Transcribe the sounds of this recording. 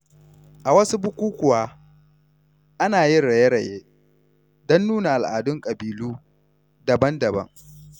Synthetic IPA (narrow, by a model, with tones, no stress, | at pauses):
ʔa˨wɐ˦su˦bʊ˦kʷuː˦kʷʊ˨waː˦ | ʔa˦naː˨jɪ˦nɽɐ˨je˦ɽɐ˨jeː˦ | dɔ˦nːuː˦na˨ʔa˨lʔaː˨dʊ˦ŋkʼɐ˨biː˨luː˦ | dɐ˨bɐ˦ndɐ˨bɐ̰˦ŋ